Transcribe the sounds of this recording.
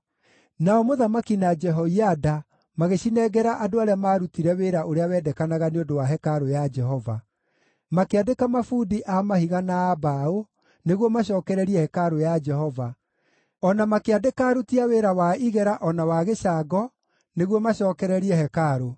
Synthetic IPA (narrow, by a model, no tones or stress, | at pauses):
naɔmoðamakinad͡ʒɛɦɔiada | maɣeɕinɛɡɛɾaʔadoaɾeamaːɾutiɾɛweːɾaʔoɾeawɛːdɛkanaɣaneondowaɦɛkaɾojad͡ʒɛɦɔva̰ | makeadekamafudiʔamahiɣanaːbao | neɣwɔmaɕ̬ɔːkɛɾɛɾiɛhɛkaɾojad͡ʒɛhɔva | ɔnamakeadekaːɾutiaweːɾawaiɣɛɾaʔɔnawaɣeʃaɡɔ | neɣwɔmaɕɔːkɛɾɛɾiɛhɛkaɾo